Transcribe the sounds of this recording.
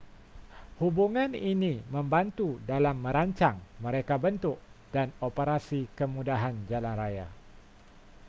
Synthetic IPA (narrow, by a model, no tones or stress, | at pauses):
hubuŋaniniməmbant̪udalamːə̃ɾaɲt͡ʃaŋməɾekabənt̪ʊʔ̚d̥anopəɾasikəmudaɦand͡ʒalanraja̰